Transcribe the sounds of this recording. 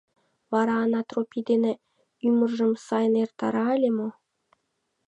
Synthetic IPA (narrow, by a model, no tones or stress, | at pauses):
vɑɾɑːnɑt̪ropʲid̪enĕ | ymɤ̆rʐə̆msɑjnert̪ɑ̰ɾɑːlʲemo